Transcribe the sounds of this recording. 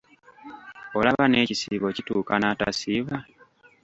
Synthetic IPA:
o̞laβane̞ːcisiβo̞cituːkanata̰siβa

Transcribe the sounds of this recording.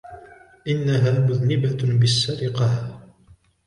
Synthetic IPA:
ʔɪnːaɦaːmʊðnɪbabɪsːaɾɪqɑh

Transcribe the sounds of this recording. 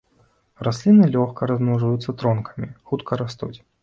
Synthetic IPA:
rasʲlʲinɨlʲɔxkɐɾɐzmɔʐɐjut̪sːɐt̪ɾɔnkʰɐ̥mʲixut̪kʰɐɾast̪ut͡sʲ

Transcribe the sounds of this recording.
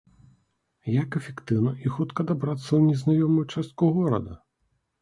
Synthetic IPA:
jakɛfʲɛkt̪ɨwnɐʔixut̪kɐd̪abɾat̪sːɐwnʲɛznajɔmʊjt͡ʂast̪̚kuɣɔɾɐ̰d̪ɐ̰

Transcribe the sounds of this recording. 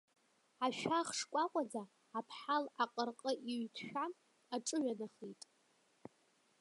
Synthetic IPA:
aʃᶣaχʂkʷʼaqʷʼad͡zaː | pʰħalaqʼərqʼəʔiɥtʰʃᶣam | aʈ͡ʂʼɨɥanaχitʼ

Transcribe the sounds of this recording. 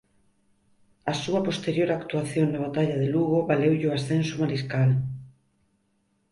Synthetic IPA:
ɐsuɐpost̪eɾjoɾakt̪uaθjoŋnaβat̪aʎaðeluɣ̞oβalewʎoasθɛnsumaɾiskal

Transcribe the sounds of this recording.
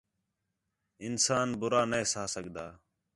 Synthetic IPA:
ɪnsaːnbʊɾaːnəeːsaːsəɠd̪aː

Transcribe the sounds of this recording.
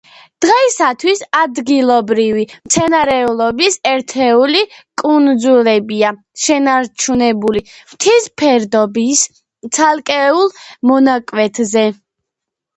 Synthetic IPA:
d̪̥ʁɛisat̪ʰwisad̪ɡilˠɔbɾivimt̪sʰɛnaɾɛulˠɔbisɛɾt̪ʰɛulikʼund̪zulɛbia | ʃɛnaɾt͡ʃʰunɛbulimt̪ʰispʰɛɾd̪ɔbis | t̪sʰalˠkʼɛulˠmɔnakʼwɛt̪ʰzɛ

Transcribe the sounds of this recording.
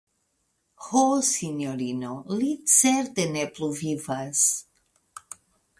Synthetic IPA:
hosinoɾinolit͡seɾt̪enepluvivas

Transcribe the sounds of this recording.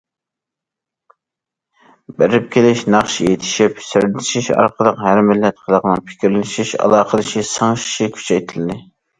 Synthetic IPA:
beɾɪp̚kʲʰelɪʃnɑχʃijet̪ʰɪ̥ʃipsyɾd̪t̪ʰɪ̥ʃiʃɑ̰ɾqəlˠəqhæɾmɪlːɛt̪̚qʰəlˠəqnɨŋpʰɪ̥kʲiɾlɪʃiʃɑ̰lˠɑːqəlˠɨʃisəŋʃi̥ʃikʲʰy̥t͡ʃʰɛjt̪ʰɪld̪ɪ

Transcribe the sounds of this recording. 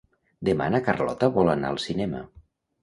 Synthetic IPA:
d̪ema̰nəkarlɔ̰t̪əβɔlana̰ːlˠsinɛmə̰

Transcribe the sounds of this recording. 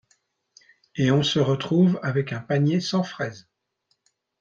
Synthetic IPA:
eɔ̃səʁət̪χuvavɛkɛ̃paɲjesɑ̃fχɛz

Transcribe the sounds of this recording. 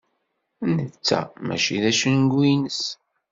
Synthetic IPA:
nət͡sːæ̰mæ̰ʃiðæʃənɡʷinəs

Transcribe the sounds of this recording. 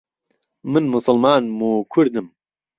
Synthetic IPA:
mɨnmʊsɨlmaːnmuːkʰʊɾd̪ɨm

